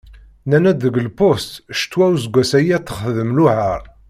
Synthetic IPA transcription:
nænæd̪əɡlpost̪ʃt̪ːwæwzɡʷæsæjæθə̥χðəmluhəɾˤ

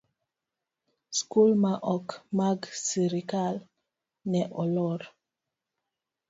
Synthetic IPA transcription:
skulmaʔɔkmaɡsiɾikal | nɛʔɔlɔɾ

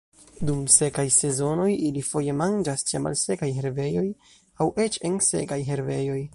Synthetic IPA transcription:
dumse̞kajse̞zo̞no̞jilifo̞je̞mand͡ʒast͡ʃema̰lse̞kajɦe̞ɾve̞jo̞j | awe̞t͡ʃe̞nse̞̰kajɦe̞ɾve̞jo̞j

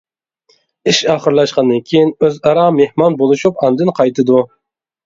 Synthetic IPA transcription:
iʃɑχəɾlˠɑʃqɑnd̪ɨnkʲʰejinøzɑɾɑmehmɑnbolˠɨʃupɑnd̪ɨnqʰɑjt̪ɨd̪u

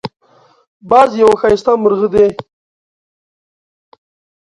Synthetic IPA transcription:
bazjawaxajst̪aməɾɣəd̪e

